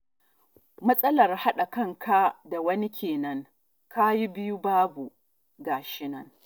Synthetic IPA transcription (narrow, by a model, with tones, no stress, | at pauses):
mɐ˦sʼɐ˦lɐ˨rha˦ɗa˨kɐ˦˨ŋkʰa˦da˨wɐ˦ni˦kʲʰeː˨nɐ˦ŋ | kʰa˦ji˦bɪ˦ju˦baː˦bu˨ | ɡaː˨ʃɪ˦nɐ˦ŋ